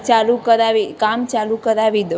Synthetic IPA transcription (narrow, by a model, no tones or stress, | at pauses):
t͡ʃalukəɾaʋikamt͡ʃalukəɾaʋid̪